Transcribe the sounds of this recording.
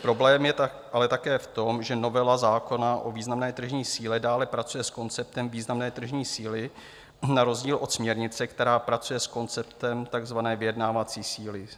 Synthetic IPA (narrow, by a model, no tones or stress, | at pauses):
pɾo̞blɛːmjɛ | ʔalɛt̪akɛːft̪o̞mʒɛno̞vɛlazaːko̞naʔoviːznamnɛːt̪r̩ʒɲiːsiːlɛdaːlɛpɾat͡sujɛsko̞nt͡sɛp̚t̪ɛmviːznamnɛːt̪r̩ʒɲiːsiːlɪ | naɾo̞zɟiːlʔo̞t̪smɲɛɾɲɪt͡sɛkt̪ɛɾaːpɾat͡sujɛsko̞nt͡sɛpt̪ɛmt̪aɡzvanɛːvɪjɛdnaːvat͡siːsiːlɪ